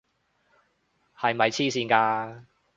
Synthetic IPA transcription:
hɐ˨jmɐ˨jt͡sʰiː˥siː˧nkaː˧

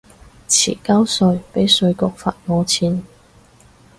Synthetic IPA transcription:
t͡sʰḭː˨˩kɐ˥wsɵ˧ɥpe˨˥jsɵ˧ɥkʊ˨k̚fa̰ː˧˨t̚ŋɔː˨˧t͡sʰiː˨˧n

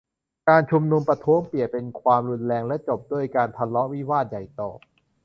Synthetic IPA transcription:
kaː˧nt͡ɕʰu˧mnu˧mpɾa˧t̪ʰu˦˥əŋpi˨˩əpe˧nkʰwaː˧mɾu˧nlɛː˧ŋlɛ˦˥t͡ɕo˨˩p̚du˥˩əjkaː˧nt̪ʰa˧nlɔ˦˥ʔwi˦˥waː˥˩t̪̚ja˨˩jt̪ɔː˨˩

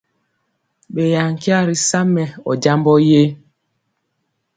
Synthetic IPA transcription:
ɓe˨ja˨ŋ˨ki˦a˦ɾi˨sa˦mɛ˨ɔ̰˨d͡ʒa˦mbɔ˦je˦

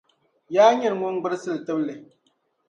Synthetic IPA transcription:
jaː˦ɲɛ˦˨n˨ŋʊ˦ŋ˦ɡ͡bɨ˦ɾsɨ˦ltɨ˦blɨ˨

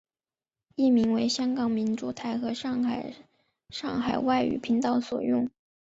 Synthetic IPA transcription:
i˥˩mi˧˥ŋwe˧˥ɪɕjɑ˥ŋkɑ˨˩ŋmi˧˥nʈ͡ʂu˨˧˩t̪ʰa˧˥˩ɪxɤ˧˥ʂ | ʂɑ˥˩ŋxa˨˩ɪwa˥˩ɪy̰˨˩pʰi˧˥ŋt̪ɑ˥˩ʊswɔ̰˨˩jʊ˥˩ŋ

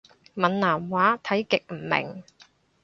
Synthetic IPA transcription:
mɐ˨˩nnaː˨˩mwaː˨˥t̪ʰɐ˨˥jkɪ˨k̚m̩˨˩mɪ̰˨˩ŋ

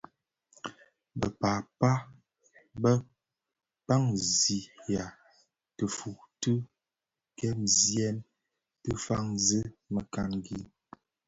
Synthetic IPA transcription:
bə̰˨paː˨pa˦ | bə˦ | pa˦ŋzi˨ja˨ | tə˨fu˨tɨ˦ | kɛ˦mzjɛ˦m | tə˦fa˦ŋzə˦mə˨ka˨nɡi˨˦

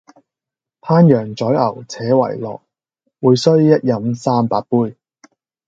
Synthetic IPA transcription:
pʰaː˥njœː˨˩ŋt͡sɔː˨˥jɐ˨˩wt͡sʰɛː˨˥wɐ̰˨˩jlɔ̰ː˨k̚ | wuː˨˧jsɵ˥ɥjɐ˥t̚jɐ˨˥msaː˥mpaː˧t̚puː˥˧j

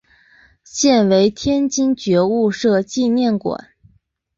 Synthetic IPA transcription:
ɕjɛ˥˩nwe˧˥ɪt̪ʰjɛ˥nt͡ɕi˥nt͡ɕɥɛ˧˥u˥˧ʂɤ˥˧t͡ɕi˥˧njɛ˥˩nkwa̰˨˩˦n

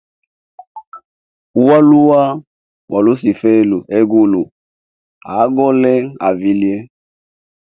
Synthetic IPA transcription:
u˦wa˦lu˦wa˦ | wʔa˨lu˦si˨fɛ˦˨lu˨ʔɛ˦ɡu˦lu˨ | a˨˦ɡɔ˦lɛ˦a˨vi˨li˦e˦

